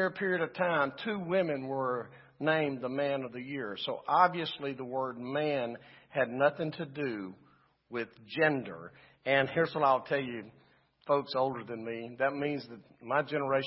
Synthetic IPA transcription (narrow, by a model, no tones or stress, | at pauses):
ɹɨpʰɪɹiɨɾʌv̥tʰãɪ̃mtʰʉwɪ̃mɨ̃nwə˞ | nẽɪ̃mðəmæ̃nʌvðɨjɪɹsoʊʔɑbviɨsliðəwɜ˞d̚mæ̃nɨdⁿnʌθɪ̃ŋtʰɨdɨ | wɪðd͡ʒɛ̃ndə̰˞ | ɨ̃nhɪɹzwʌɾaɪlˠtʰɛlˠjɨ | foʊksoʊlˠdə˞ðɨ̃nmiðɨt̚mĩnzðɨt̚maɪd͡ʒɛnə˞eɪ